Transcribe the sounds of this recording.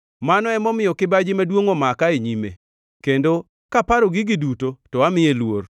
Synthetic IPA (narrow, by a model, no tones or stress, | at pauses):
manɔɛmɔmɪjɔkɪbad͡ʒɪmadwoŋɔmakaeɲimḛ | kendo | kapaɾɔɡɪɡɪdutotɔamɪjelwor